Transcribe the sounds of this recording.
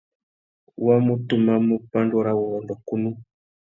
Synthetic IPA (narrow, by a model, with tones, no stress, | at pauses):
wa˦mu˦tu˨ma˦mu˦pa˦ndɔ˦ɾa˦wu˨ɔ˨ndɔ˨ku˦nu˦